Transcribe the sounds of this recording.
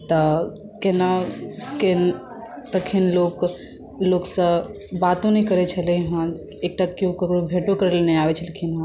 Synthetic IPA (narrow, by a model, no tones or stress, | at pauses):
t̪ə | kenaken | t̪əkʰinlok | loksə̃ | bat̪õnəkəɾɛt͡ʃʰəlɛɦã | ek̚ʈakijõkəɾoɽbʱeʈokəɾeleneabɛt͡ʃʰəlkʰinɦã